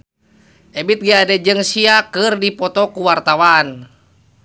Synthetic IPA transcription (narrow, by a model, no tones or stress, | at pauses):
ʔɛbit̪̚ɡiadɛd͡ʒɨŋsiakɨrdipɔt̪ɔkuwart̪awan